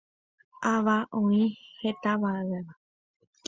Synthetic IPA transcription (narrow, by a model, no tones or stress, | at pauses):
aʋaʔõĩhet̪aʋaeʋa